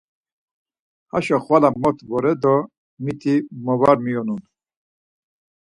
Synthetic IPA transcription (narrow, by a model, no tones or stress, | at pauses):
haʃɔχwalamɔt̪ʰvɔɾɛd̪ɔ | mit̪ʰimɔvaɾmijɔnun